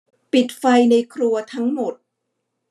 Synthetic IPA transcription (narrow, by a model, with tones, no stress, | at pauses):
pi˨˩t̪̚fa˧jna˧jkʰɾu˧ɐt̪ʰa˦˥ŋmo˨˩t̪̚